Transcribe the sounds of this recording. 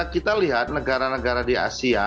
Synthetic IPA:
kit̪aliɦat̪̚nəɡaɾanəɡaɾadia̰sia

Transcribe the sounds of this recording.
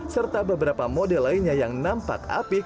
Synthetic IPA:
sərt̪abəbəɾapamodɛlːainɲajaŋnampa̰ka̰pi

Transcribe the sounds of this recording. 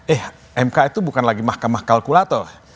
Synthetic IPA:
ʔɛh | ʔɛmkait̪ubukanlaɡimahkamahkalkulat̪ɔh

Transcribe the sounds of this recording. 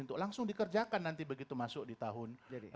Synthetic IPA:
unt̪ʊk̚laŋsʊŋdikərd͡ʒakanːant̪ibəɡit̪umasʊk̚dit̪aɦʊnd͡ʒadi

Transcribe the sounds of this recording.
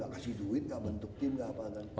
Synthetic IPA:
a̰ʔkasɪhduit̪̚ŋɡaʔbənt̪ʊk̚t̪imɡapakan

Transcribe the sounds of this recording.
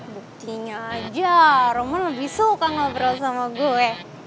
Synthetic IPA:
buk̚t̪iɲaːd͡ʒaɾomɔnlabisokaŋabəɾalsamaɡoɛ

